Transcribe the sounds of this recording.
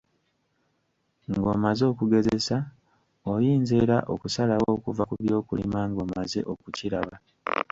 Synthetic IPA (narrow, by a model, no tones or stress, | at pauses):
ŋɡo̞̰ːmazo̞ːkuɡe̞zesa | ojiːnze̞ːɾaʔo̞̰kusalawoːkuvakuβjo̞ːkulḭmaŋɡo̞ːmazḛʔo̞kuciɾaβa